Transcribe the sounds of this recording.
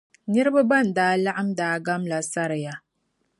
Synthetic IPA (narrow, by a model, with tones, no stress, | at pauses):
nɛ˦ɾɨ˦ba˦ba˦˨n̩˨daː˦la˦ʔa˦mdaː˦ɡa˦mla˨sa˦ɾɨ˨ja˨